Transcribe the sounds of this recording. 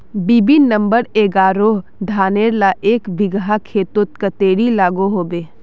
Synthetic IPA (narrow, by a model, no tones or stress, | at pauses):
biːbinə̃mbəɾeːɡaːɾod̪ʱaːneːɾlaʔeːkʋɪɡɦakʰeːt̪ʊt̪̚kət̪eːɽilaːɡoɦoːbeː